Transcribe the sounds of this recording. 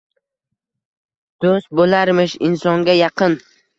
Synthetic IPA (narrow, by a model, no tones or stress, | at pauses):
d̪̥ost̪̚bolaɾmɪʃɪnsɒŋɡʲajɑqʰɨn